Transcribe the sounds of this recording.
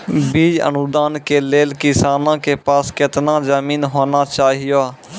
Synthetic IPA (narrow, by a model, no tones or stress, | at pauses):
biːd͡ʒə̰nʊd̪aːnkeːleːlkɪsaːnãːkeːpaːskɪt̪nãːzəmiːnɦoːnaːt͡ʃaːɦɪjaː